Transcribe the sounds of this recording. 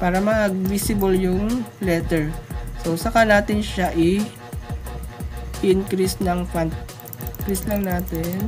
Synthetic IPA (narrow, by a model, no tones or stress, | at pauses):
paːɾɐmɐʔɐɡ̚misɪboljʊŋlɛt̪ɛɹsowsɐkanaːt̪ɪnʃaʔɪ | ʔɪnkɾisnɐŋfant̪̚ | kɾislɐŋnaːt̪ɪn